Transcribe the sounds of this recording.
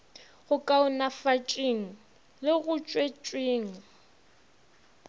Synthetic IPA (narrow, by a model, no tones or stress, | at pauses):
ɣʊkʼaʊnafat͡ʃʼeŋ̩ | lɪɣʊt͡ʃʼwet͡ʃʼweːŋ̩